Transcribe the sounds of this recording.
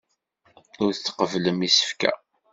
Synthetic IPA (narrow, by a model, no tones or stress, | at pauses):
ʊɾθt͡sːə̥qəvləmisə̥fkæ̰